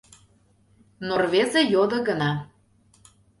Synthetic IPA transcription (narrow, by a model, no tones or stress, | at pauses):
norvʲezĕjod̪ɤ̆ɣə̆nɑ